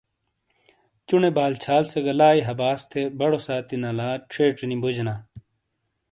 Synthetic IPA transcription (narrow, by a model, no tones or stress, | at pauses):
t͡ɕunebaːlt͡ɕʰaːlseɡɐlaːiɦɐbaːst̪ʰebɐɽosaːt̪inɐlaːʈ͡ʂʰeːʈnimbud͡ʑnaː